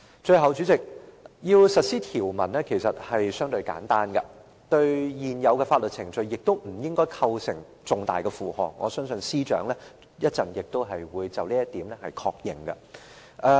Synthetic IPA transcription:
t͡ʃɵ˧ɥɦɐ˨˧wt͡ʃyː˨˥t͡sɪ˨k̚jiː˧wsɐ˨t̚siː˥t̪ʰiː˨˩wmɐ̰˨˩nlɛː˥kʰe˨˩jsɐ˨t̚hɐ˨jsœː˥ŋt̪ɵ˧ɥka̰ː˨˥nt̪aː˥nɡɐ˧ | t̪ɵ˧ɥjiː˨njɐ˨˧wkɛ˧faː˧t̚lɵ˨t͡sʰɪ˨˩ŋt͡sɵ˨˧ɥjɪ˨k̚t̪o˥wm̩˨˩jɪ˥ŋkɔː˥jkʰɐ˧wsɪ˨˩ŋ | t͡sʊ˨ŋt̪a̰ː˨jkɛ˧fuː˨hɔ̰ː˨˩k̚ːɔ̰ː˨˧sœː˥ŋsɵ˧nsiː˥t͡ʃœ̰ː˨˥ŋlɛː˥ | jɐ˥t̚t͡sɐ˨njɪ˨k̚t̪o˥wɦɐ˨jwuː˨˧jt͡sɐ˨wliː˥jɐ˥t̪iː˨˥mlɛ˥hɐ˨jkʰɔː˧k̚jɪ˨ŋɡɐ̰˧ | ʔɛː˧

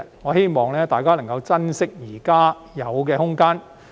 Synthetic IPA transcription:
ŋɔː˨˧he˥jmɔː˨˧ŋlɛː˥t̪aː˨jkaː˥nɐ˨˩ŋkɐ˧wt͡sɐ˥nsɪ˥k̚jiː˨˩kaː˥ | jɐ˨˧wkɛː˧hʊ˥ŋkaː˥n

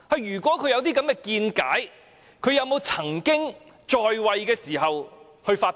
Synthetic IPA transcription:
hɐ˨jːyː˨˩kʷɔː˨˥kʰɵ˨˧ɥjɐ˧wt̪iː˥kɐ˨˥mkɛ˧kiː˧nkaː˨˥j | kʰɵ˨˧ɥjɐ˨˧wmo˨˧wt͡sʰɐ˨˩ŋkɪ˥ŋ | t͡ʃɔː˧jwɐ˨˧jkɛː˧siː˨˩ɦɐ˨w | hɵ˧ɥfaː˧t

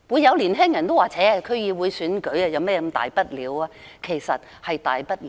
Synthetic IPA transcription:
wuː˨˧jːɐ˨˧wliː˨˩nɦɛː˥ŋjɐ˨˩nt̪o˥waː˨˩t͡sʰɛː˨˥˧kʰɵ˨˧˥ɥjiː˨˧wuː˨˧jsyː˨˥nkɵ˨˥ɥɐ˨˧jɐ˨˧wmɛː˥kɐ˧mt̪a̰ː˨˩jpɐ˥t̚liː˨˥waː˧ | kʰe˨˩jsɐ˨t̚ | hɐ˨jt̪a̰ː˨jpɐ˥t̚l

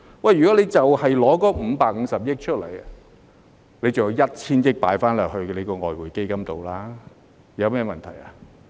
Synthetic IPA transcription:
wɐ˨jyː˨kɔ˨˥le˨˧jt͡sɐ˨whɐ˨jlɔː˨˥kɔː˨˧m̩ː˨˧˦paː˨k̚ŋ̩˨˧˥sɐ˨p̚jɪ˥k̚t͡ʃʰɵ˥t̚lɐ˨˩j | le˨˧jt͡sɐ˨wjɐ˧wjɐ˥t̚t͡sʰiː˥njɪ˥k̚pa̰ː˨˥jfaː˥nlœː˨˩k̚hɵ˧ɥle˨˧jkɔː˧ŋɔː˨jwuː˨˩jke˥jkɐ˥mt̪o˨wlaː˥ | jɐ˨˧wmɛː˥˩mɐ˨nt̪ʰɐ˨˩ja˨˧

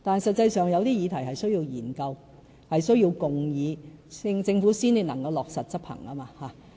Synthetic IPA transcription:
t̪aː˨n˨sɐ˨t̚t͡sːɐ˧jsœː˨ŋjɐ˨˧wt̪iː˥jiː˨˧t̪ʰɐ˨˩jɦɐ˨jsɵ˥ɥji˧wjiː˨˩nkɐ˧w | hɐ˨jsɵ˥ɥjiː˧wkʊ˨ŋjiː˨˧ŋt͡sɪ˧ŋfuː˨˥siː˥ni˨˧nɐ˨˩ŋkɐ˧wlɔː˨k̚sɐ˨t̚t͡sɐ˥t̚pʰhɐ̰˨˩ŋaː˥maː˧haː˨˧

